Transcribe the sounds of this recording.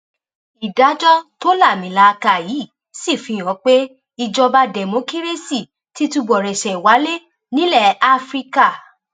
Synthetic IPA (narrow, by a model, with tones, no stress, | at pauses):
i˨da˨˦d͡ʒɔ˦to˦la˦˨mĩ˨˦la˧˦˧ka˧˨ji˨˦˨ | si˦˨fĩ˨˧˨j̃ɔ̃˨˦k͡pe˦ | i˧d͡ʒɔ˧ba˧dɛ˨mõ˨˦ki˦ɾe˦si˦˨ | ti˨˦tu˧ɡ͡bɔ˨ɾɛ˨ʃɛ˨i˨wa˨˦le˦ | nĩ˦lɛ˦˨a˦fɾi˦˧ka˦˨